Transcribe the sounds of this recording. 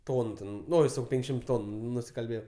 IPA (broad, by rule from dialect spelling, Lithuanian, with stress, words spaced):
ˈtoːnʊ ˈtʲɛn ˈnoː jɪs jɛʊ ˈpʲɛŋkʃʲɪm ˈtoːnʊ nʊsʲɪkɐlʲˈbʲeːjɛʊ